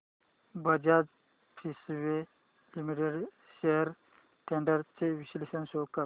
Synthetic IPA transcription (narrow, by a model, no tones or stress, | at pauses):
bəd͡ʑad͡z | pʰisʋe | limiʈeɖ | ɕeɦəɾ | ʈʰeɳɖəɾt͡seʋiɕlisənsokə